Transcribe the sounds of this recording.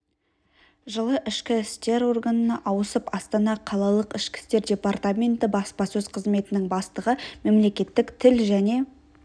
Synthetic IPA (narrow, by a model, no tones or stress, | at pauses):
ʒəlˠəʔɪʃkʲɪst̪e̞ɾo̞rɡanənɑʔɑwəsəpɑst̪ɑnɑqʰɑlˠɑlˠəqɪʃkʲɪ̥st̪e̞ɾdʲe̞part̪amʲe̞nt̪ɪbɑspɑsɵzqʰəzme̞t̪ɪnɪŋbɑst̪əʁəme̞mle̞kʲe̞t̪ːɪkt̪ʰɪlʒæne̞